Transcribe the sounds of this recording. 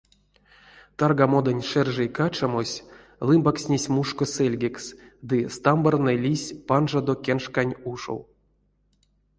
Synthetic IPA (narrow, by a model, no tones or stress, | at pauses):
t̪arɡamo̞d̪ənʲʂɛrʐejkat͡ʃamosʲ | lˠɨmbaksʲnʲesʲmuʂkoselʲɡʲeksd̪ɨst̪ambarnɨlʲisʲpanʐad̪okʲenʂkanʲuʂo̰w